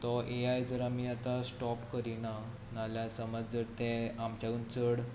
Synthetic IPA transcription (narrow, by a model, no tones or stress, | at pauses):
t̪ɔʔeajd͡zəɾamiat̪asʈɔpkəɾina | naljasəməd͡zd͡zəɾt̪ɛ̃amt͡ɕaunt͡səɽ